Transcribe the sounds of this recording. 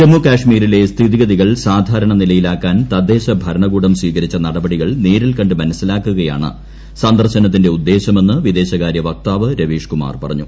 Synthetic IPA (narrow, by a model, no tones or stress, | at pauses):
t͡ɕemukaːʂmiːɾile̞st̪ʰiðiɣɐðiɣɐɭsaːd̪ʱaːɾɐɳɐnilɐjilaːkːaːnt̪ɐd̪ːe̞ːɕɐbʱɐɾɐɳɐɣuːɽɐmsʋiːkɐɾit͡ɕːɐnɐɽɐbɐɽiɣɐɭniːɾilkɐɳɖɨmɐnɐsilaːkːuɣɐja̰ːɳɨ̰ | sɐnd̪ɐrɕɐnɐt̪̬ːinde̞ud̪ːe̞ːɕɐme̞nːɨʋid̪e̞ːɕɐkaːɾjɐʋɐk̚t̪aːʋɨɾɐʋiːʂkuma̰ːrpɐrɐ̰ɲːu